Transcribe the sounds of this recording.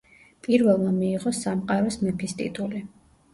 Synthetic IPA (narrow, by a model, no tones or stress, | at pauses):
pʼiɾvɛlˠmamiːʁɔsamqʼaɾɔsmɛpʰist̪ʼḭt̪ʼuli